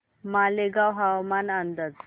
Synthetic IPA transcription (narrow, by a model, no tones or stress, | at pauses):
maleɡawɦawmanənd̪əd͡z